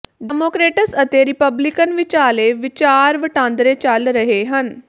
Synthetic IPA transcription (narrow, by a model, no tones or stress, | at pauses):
ɖɛmoːkɾeːʈəsət̪eɾɪpəblɪkənʋɪt͡ʃaːleʋɪt͡ʃaːɾʋəʈãːnd̪ɾet͡ʃɐlɾəɦeɦən